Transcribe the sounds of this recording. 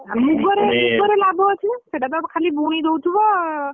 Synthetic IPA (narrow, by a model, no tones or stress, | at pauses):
mukɡɔɾemukɡɔɾelabʱɔɦɔt͡ʃʰɛseʈat̪ɔkʰalibuɽ̃id̪owt̪ʰibɔ